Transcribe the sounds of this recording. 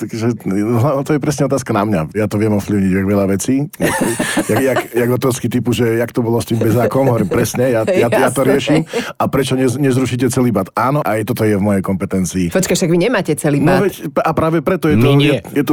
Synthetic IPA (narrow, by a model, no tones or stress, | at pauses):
t̪akʒɛɦlat̪ɔjɛpɾɛsɲɛɔt̪̬aːskanamɲa̰jat̪ɔʋɛmɔfpliʊɲiɟaɡʋɛʎaʋɛt͡siːjajajajaɡd̪ɔt̪ɔskit̪ipuʒɛjakt̪ɔbɔlɔst̪iːmbɛzaːkɔmɦɔʋɔɾiːmpɾɛsɲɛjajajat̪ɔɾɪɛʃimapɾɛt͡ʃɔɲɛɲɛzɾuʃicɛt͡sɛliːbat̪aːnɔʔajt̪ɔt̪ɔjɛvmɔjɛjkɔmpɛt̪ɛnt͡siːfɔt͡ʃkaʃt̪aɡʋiɲɛmaːcɛt͡sɛliːnɔʋɛcapɾaːʋɛpɾɛt̪ɔjɛt̪ɔjɛjɛt̪ɔ